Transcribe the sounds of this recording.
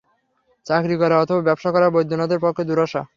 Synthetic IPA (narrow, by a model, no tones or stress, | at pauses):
t͡ɕakɾikɔɾaɔt̪ʰobabɛbʃakɔɾabojd̪ʱːunad̪eɾpɔkʰːed̪uɾɔʃa̰